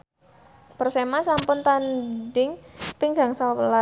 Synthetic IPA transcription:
pərsemasampʊnt̪andɪŋpiŋɡaŋsala

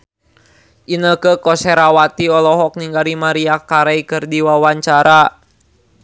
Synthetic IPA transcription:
ʔinəkəkɔsɛɾawat̪iɔlɔɦɔk̚niŋɡaɾimaɾiakaɾaikɨrdiwawaɲt͡ʃaɾa

